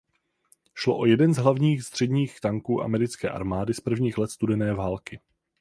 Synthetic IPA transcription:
ʃlo̰ʔo̞jɛdɛnzɦlavɲiːxst̪r̝̥ɛdɲiːxt̪aŋkuːʔa̰mɛɾɪt͡skɛ̰ːʔa̰ɾmaːdɪspr̩vɲiːxlɛt̪st̪udɛnɛːvaːlkɪ

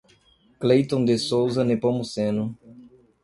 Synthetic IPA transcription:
klejt̪õnd̪esowzɐnepomusẽnʊ

